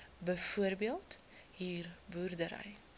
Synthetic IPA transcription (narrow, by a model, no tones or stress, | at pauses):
bəfuərbiəlˠt | ɦiːrbuːrdəɾə̰j